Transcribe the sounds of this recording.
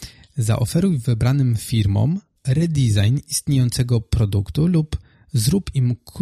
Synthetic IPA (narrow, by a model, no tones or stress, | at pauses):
za̰ʔɔfɛɾuvɘbɾanɘmfʲiɾmɔ̰m | ɾɛd̪ʲizajnist̪ɲejɔnt̪sɛɡɔpɾɔd̪ukt̪ulup | zɾupimk